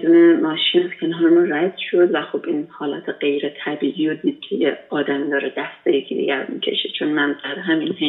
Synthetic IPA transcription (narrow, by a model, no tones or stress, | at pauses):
d̪uːnemɒːʃiːnæzkʰʲenɒɾmuɾæd̪̥ʃo̞d̪væxobʔinhɒːlæt̪ʰeɢe̞jɾet̪ʰæbiːʔiod̪iːd̪̥̚kʲʰejḛɒːd̪æmid̪ɒːɾed̪æst̪ejekʰid̪ḭɡʲæɾmḭcʲʰe̞̰ʃet͡ʃʰo̞nmænzæɾɦæminhe